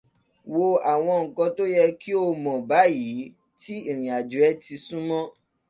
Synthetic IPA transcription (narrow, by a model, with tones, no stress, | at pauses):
wo˧a˨w̃ɔ̃˧ŋ̩˨kɔ˧to˦jɛ˧ki˦o˧mɔ̃˨ba˨˦ji˨˦ | ti˦i˨ɾ̃ĩ˨a˨d͡ʒu˨˦ɛ˦ti˧sũ˦mɔ̃˦